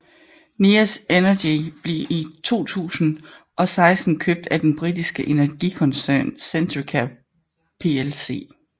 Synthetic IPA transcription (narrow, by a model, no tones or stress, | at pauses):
nisenɐdib̥le̝ʔit͡sʰo̝̰ːt͡sʰṵːsn̩ | ʔɒ̽sɑ̈ɪsd̥n̩kʰøb̥̚d̥æd̥enb̥ʁid̥isɡ̥əʔe̝næɐɡ̥ikʰɒ̽nsæɐnsent͡sʰʁikʰæ | pʰe̝else̝̰ː